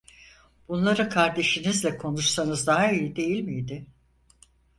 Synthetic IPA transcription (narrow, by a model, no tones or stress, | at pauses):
b̥unlˠaɾɯkʰaɾd̪e̞ʃinizlʲɛkʰo̞nuʃsanɯzd̪aɦaijid̪e̞jilʲmijd̪ɪ